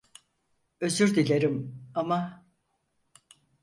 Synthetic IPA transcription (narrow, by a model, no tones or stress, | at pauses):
ø̞zyɾd̪ilʲeɾimama